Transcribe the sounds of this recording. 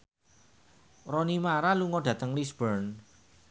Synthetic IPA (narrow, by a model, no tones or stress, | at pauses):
ɾɔnimaɾaluŋɔɖ̥ä̤t̪əŋlisb̥əɾn